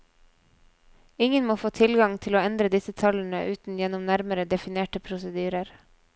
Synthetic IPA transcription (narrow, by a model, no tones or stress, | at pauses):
ɪŋənmoːfoːt̪ʰɪlɡɑŋt̪ʰɪloːɛnd̪ɾəd̪ɪsət̪ʰɑln̩əʔʉːt̪n̩jɛnʊmnæɾməɾəd̪ɛfɪneːʈəpʰɾʊsəd̪yːɾəɾ